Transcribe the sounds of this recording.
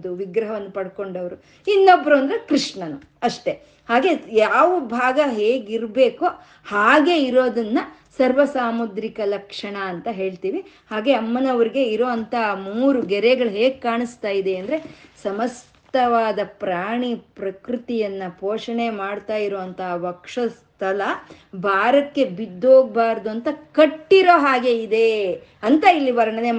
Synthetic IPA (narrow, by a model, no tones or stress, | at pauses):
d̪uʋiɡɾɐɦɐʋɐnːɐpɐɽko̞ɳɖɐʋɐɾu | inːobːɐɾuɐnd̪ɐɾekɾiʂɳɐnu | ɐʂʈe̞ | haːɡe̞jaːʋɐbʱaːɡɐɦeːɡiɾbe̞ːku | haːɡe̞iɾoːd̪ɐnːɐ | sɐɾʋɐsaːmud̪ɾikɐlɐkʂɐɳɐːnt̪ɐɦe̞ːɭt̪iːʋi | haːɡe̞ɐmːɐnɐʋɐɾiɡe̞iɾoːɐnt̪ʰɐmuːɾuɡɛɾɛɡɐɭɦeːɡkaːɳist̪aːjid̪e̞ɐnd̪ɐɾe̞sɐmɐs | t̪ɐʋaːd̪ɐpɾaːɳipɾɐkɾut̪ijɐnːɐpoːʂɐɳe̞maːɖt̪aːjiɾoːʋɐnt̪ɐɦɐʋɐkʂɐst̪ʰɐlɐ | bʱaːɾɐkːe̞bid̪ːoːɡ̚baːɾd̪uɐnt̪ɐkɐʈːiɾoːɦaːɡe̞id̪e̞ | ɐnt̪ɐilːiʋɐɾɐɳɐneː